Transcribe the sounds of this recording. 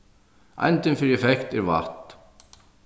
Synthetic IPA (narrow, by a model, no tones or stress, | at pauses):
a̰jnt̪ɪnfɪɾiɛfɛkt̪ɛɾva̰ht̪